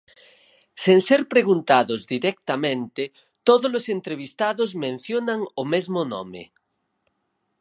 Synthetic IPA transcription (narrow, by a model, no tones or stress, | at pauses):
seŋseɾpɾeɣ̞unt̪aðozðiɾek̚t̪amẽnt̪e | t̪oðozlosent̪ɾeβ̞ist̪aðozmẽn̟θjonaŋomezmonɔ̰mḛ